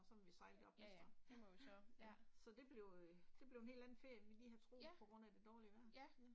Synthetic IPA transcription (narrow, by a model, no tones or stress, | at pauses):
sɒmʋisɑ̈ɪld̥̩ɒ̽b̥mesd̥ɐ̥emɔissɒ̽d̥e̝b̥le̝ʊd̥e̝b̥le̝ʊene̝̰ːld̥æn̩fe̝ɐ̰jʋiliːɦæt͡sʰʁo̝̰ːpʰɒ̽ɡ̥ʁɔ̽n̰æd̥e̝d̥ɒːliəʋæɐ̰̥